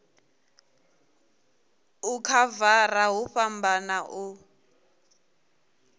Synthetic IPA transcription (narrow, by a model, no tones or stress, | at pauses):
ukʰavaraɦuɸambanaʔu